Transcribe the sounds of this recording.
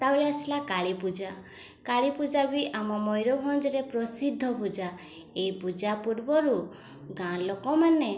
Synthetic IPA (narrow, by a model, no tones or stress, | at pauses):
t̪awɾeasilakaɭipud͡ʒa | kaɭipud͡ʒabiʔamɔmɔjɾɔbʱɔnd͡ʒɔɾepɾɔsid̪ʱːɔpud͡ʒa | ejpud͡ʒapuɾbɔɾu | ɡãlokɔmane